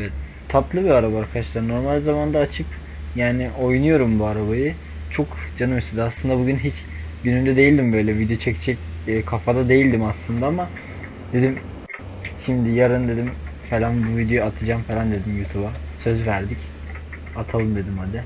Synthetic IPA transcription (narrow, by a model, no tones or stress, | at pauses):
evɛt̪ | t̪ʰːat̪lˠɯbiaɾabaːɾkʰad̪aʃlˠaɾno̞ɾmalʲzamand̪aːt͡ʃʰɯk | jaːnɪʔo̞jnujo̞ɾumbuaɾabajɯ | t͡ʃʰo̞kd͡ʒanɯmiʃt͡ʃ̪ʰid̪ɯaslˠɯnd̪abuɟynɦit͡ʃ | ɟynynd̪ɛd̪e̞jilʲd̪imbø̞jlʲɛvid̪ejo̞t͡ʃʰɛct͡ʃʰɛcːkʰafad̪ad̪e̞jilʲd̪imaslˠɯnd̪aama | d̪e̞d̪im | ʃimd̪ɪjaɾɯnd̪e̞d̪imfelʲanbuvid̪ejo̞juat̪ʰɯd͡ʒaːmfeland̪e̞d̪imjuːt̪ʰubasø̞zvæɾd̪ic | at̪ʰalˠɯmd̪e̞d̪imhad̪ɪ